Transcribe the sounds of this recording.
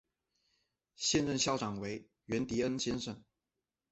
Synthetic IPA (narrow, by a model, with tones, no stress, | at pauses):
ɕjɛ˥˧nɻə˥˧nɕjɑ˥˩ʊʈ͡ʂɑ˨˩ŋwe˧˥ɪ | ɥɛ˧˥nt̪i˧˥ə˥nɕjɛ˥nʂə˥˩ŋ